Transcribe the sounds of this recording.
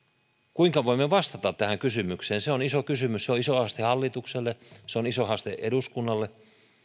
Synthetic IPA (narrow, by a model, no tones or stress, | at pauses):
kuiŋkɑʋoimːeʋɑst̪ɑt̪ɑt̪t̪ːæhæŋkysymykseːnseonisokysymysseoisoɑst̪ehɑlːit̪ukselːeseonisohɑst̪ḛʔeduskunːɑlːe